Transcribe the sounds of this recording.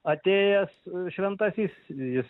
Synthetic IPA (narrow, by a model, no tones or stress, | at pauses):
ɐt̪ʲeːjɛsʃʲʋʲɛnt̪ɐsʲiːsjɪs